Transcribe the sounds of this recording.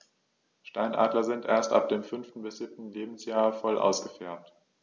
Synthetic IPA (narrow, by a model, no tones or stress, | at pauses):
ʃtaɪnʔa̰ːdlɐzɪntʔeːɐstʔa̰p̚d̥eːmfʏnftn̩bɪsz̥ɪp̚tn̩leːbm̩sjaːɐfɔlʔa̰ʊsɡ̥əfɛɐmt